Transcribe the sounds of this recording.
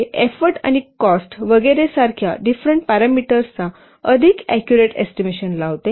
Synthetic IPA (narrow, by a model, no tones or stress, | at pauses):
efəɾʈa̰ñikɔsʈʋəɡəjɾesaɾkʰja̰ɖifɾəɳʈ̚paɾamiʈəɾt͡sa | əd̪ʱikɛkjuɾeʈḛsʈimeɕənlaʋt̪e